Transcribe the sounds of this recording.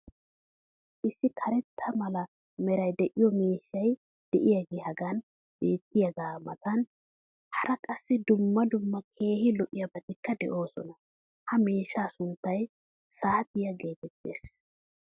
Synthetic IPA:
ʔɪsːɪkʰɐɾɛt̪ʰːɐmɐlɐ | mɛɾɐjd̪ɛʔɪjɔmiːʃːɐj | d̪̥ɛʔɪjaɡeːhɐɡan | b̥eːt̪ːɪjɐɡaːmɐt̪ɐn | hɐɾɐkʼɐsːɪd̪ʊmːɐd̪ʊmːɐkʰe̞ːhɪlɔʔɪjɐbɐt̪ɪkːɐd̪ɛ̰ʔo̞ːsɔ̰nɐ | hɐmeːʃːaːsʊnt̪ːɐj | saːt̪ɪjɐɡe̞ːt̪ɛt̪ːe̞̰ːs

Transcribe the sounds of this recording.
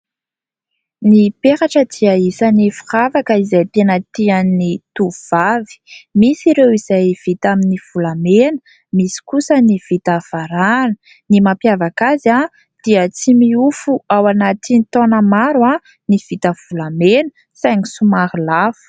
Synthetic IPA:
nipeɾaʈ͡ʂəd̪iaisanifiravakəizajt̪enət̪iannit̪uv̥avi̥misiɾewizajv̥it̪aminiv̥ulamenə̥ | misi̥kusəniv̥it̪av̥aɾanə̥ | nimapjavakaza | d̪̥iət͡simiufuawanat̪init̪onəmaɾwa | niv̥it̪əv̥ulamenə | sajŋisumaɾilafu̥

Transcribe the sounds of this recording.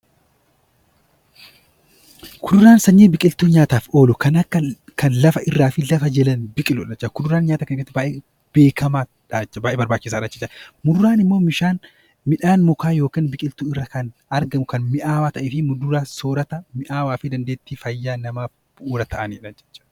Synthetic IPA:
kʊd̪ʊɾaːnsɐɲːiːbɪkʼɪlt̪uːɲaːt̪aːfʔo̞ːlʊkɐnɐkːɐkɐnlɐfɐʔɪrːaːfɪlɐfɐd͡ʒɛlɐnbɪkʼɪlʊᶑɐt͡ʃːɐkʊd̪ʊɾaːnɲaːt̪ɐkɐnɪɾɐt̪ːɪbaːʔeː | b̥e̞ːkʰɐmaː | ᶑaːt͡ʃːɐbaːʔeːbɐɾbaːt͡ʃːɪs̬aːᶑɐːt͡ʃːɪ̥t͡ʃːɐmʊd̪ʊɾaːnɪmːoːmɪʃaːn | mɪᶑaːnmʊkaːjo̞ːkiːnbɪkʼɪlt̪uːɪrːakɐnɐɾɡɐmʊkɐnmɪʔaːwaːt̪ɐʔeːfɪmʊd̪ʊɾaːsoːɾɐt̪ɐmɪʔaːwaːfɪd̪ɐnd̪eːt̪ːiːfɐjːaːnɐmaːf | b̥ʊʔuːɾɐt̪ʰɐʔɐniːᶑɐnd͡ʒɛt͡ʃːɐ̥

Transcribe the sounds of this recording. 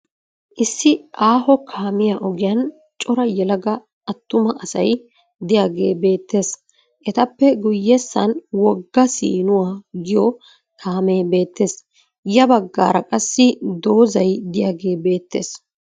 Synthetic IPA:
ʔɪsːɪʔaːɦɔkʰaːmɪjaʔɔɡɪjɐn | t͡ʃʼɔɾɐjɛlɐɡɐ | ɐt̪ːʊmɐʔɐsɐ̰j | d̪ɪjaːɡe̞̰ːbe̞ːt̪ːe̞ːs | ʔɛt̪ɐpːɛɡʊjːɛsːɐnwɔɡːɐsḭːnʊwaːɡɪjɔ | kʰaːme̞ːbe̞ːt̪ːe̞ːs | jɐbɐɡːa̰ːɾɐkʼɐsːɪd̪o̞ːzɐjd̪ɪjaːɡe̞ːbe̞ːt̪ːe̞̰ːs

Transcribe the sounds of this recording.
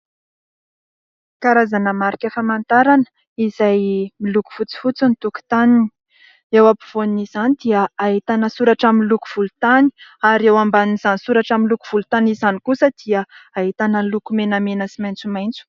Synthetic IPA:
kaɾazanəmaɾikʲefamant̪aɾanə̥ | izajmiluku̥fut͡si̥fut͡sunit̪uku̥t̪anini | ewapuv̥oniz̥anid̪iəːɦit̪anəsuɾaʈ͡ʂaminluku̥v̥ulut̪ani̥aɾewambaniniz̥anisuɾaʈ͡ʂaminlukuv̥ulut̪anizanikusəd̪̥iəaɦit̪anəlukumenamenəsimajnt͡sumajnt͡su̥

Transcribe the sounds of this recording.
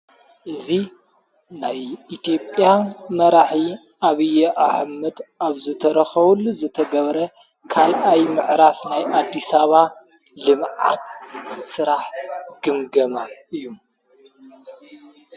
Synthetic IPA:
ʔɨzi | najit̪ʰjo̞pʼjanmɐɾaħi | aβɨjɛʔaħmɨd̪aβzɨt̪ʰɐɾɐxɐβulːuzɨt̪ʰɐɡɐβɾɐ | kʰalʔajmɨʕɾafnajʔad̪ːisaβa | lɨmʕa̰t̪sɨɾaħɡ̥ɨmɡɐmaɨjːum

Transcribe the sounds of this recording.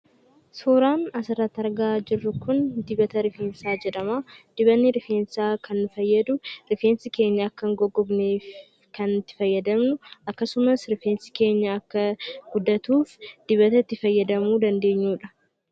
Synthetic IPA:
suːɾaːnɐsɪrɐt̪ːɐɾɡaːd͡ʒɪrːʊkʊnd̪ɪbɐt̪ɐɾɪfeːnsaːd͡ʒɛᶑɐmaːd̪̥ɪbɐnːɪɾɪfeːnsaːkɐnːʊfɐjːɐd̪ʊɾɪfeːnsɪke̞ːɲːɐːkːɐŋɡɔɡːɔbneːf | kɐnt̪ːɪ̥fɐjːɐd̪ɐmnʊʔɐkːɐsʊmɐsɾɪfeːnsɪ̥ke̞ːɲːɐɐkːɐɡʊd̪ːɐt̪uːfd̪̥ɪbɐt̪ɐɪt̪ːɪfɐjːɐd̪ɐmuːd̪ɐnd̪e̞ːɲːuːᶑɐ̥

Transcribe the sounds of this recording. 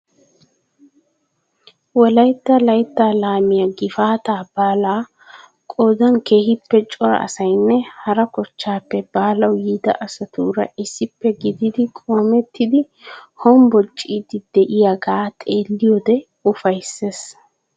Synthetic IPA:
wɔlɐjt̪ːɐlɐjt̪ːalaːmɪjɐɡɪfaːt̪aːb̥aːlaː | kʼoːd̪ɐnke̞ːhɪpːɛt͡ʃʼɔɾɐ̰ɐ̰sɐjnːɛhɐɾɐkɔt͡ʃːaːpːɛbaːlɐwjiːd̪ɐ̰ʔɐsɐt̪uːɾɐ̰ɪsːɪpːɛɡɪd̪ɪd̪ɪkʼoːmɛt̪ːɪd̪ɪ | hɔmbɔt͡ʃʼːiːd̪ɪd̪ɛʔɪjaɡaːt̪ʼe̞ːlːɪjɔːd̪ɛ | ʊfɐjsːes

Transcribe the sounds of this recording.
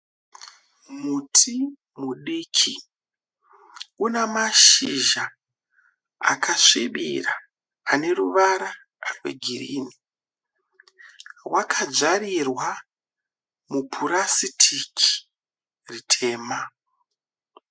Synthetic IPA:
mutʰi | muɗikʰi | unemaʃiʒa | a̰kʰaʂiɓiraː | ne̞ruʋaɾa | rwḛɡʱirḭːni | wakʰad͡ʒaɾirwa | mupʰuɾasitʰikʰi̥ | ritʰe̞ːma

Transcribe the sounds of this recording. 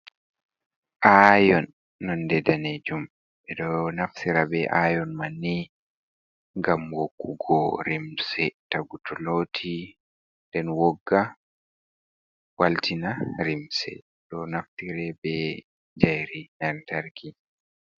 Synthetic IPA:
ʔajɔnː | ɔndɛdaned͡ʒum | ɓɛɗɔnaftiɾabɛʔajɔnmanːi | ŋɡamwokːuɡɔɾimsɛtaɡutʰɔlotʰi | ndɛnwɔɡːa | waltinaɾimsɛ̰ | ɗɔnaftiɾɛbɛ | d͡ʒajɾinantaɾkʰi

